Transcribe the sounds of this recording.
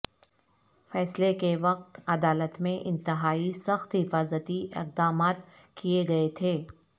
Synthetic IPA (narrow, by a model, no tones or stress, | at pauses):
fɛːslekeʋɐq̚t̪ɐd̪aːlət̪mẽʔɪ̃nt̪ɪɦaːisɐxt̪ɦɪfaːzət̪iʔɪ̰q̚d̪aːmaːt̪kijeɡɐet̪ʰeː